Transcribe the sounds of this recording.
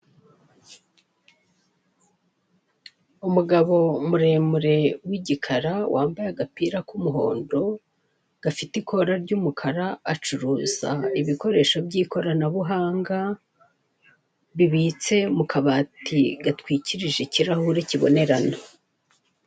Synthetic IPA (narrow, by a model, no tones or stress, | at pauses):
umuɡaβo̞muɾe̞ːmuɾe̞wiɟikʰaɾawʔaːmbajaɡapiɾakumuɦo̞̰ːndo̞ | ɡ̥afitiko̞ɾaɾɟumukʰaɾaat͡ʃuɾuːza̰iβiko̞ɾe̞ːʃo̞bɟiːko̞ɾanaβuɦaːŋɡa | βiβit͡se̞mukʰaβaːtiɡatwiːciɾiʒe̞ciɾahuɾeciβo̞̰ne̞ɾano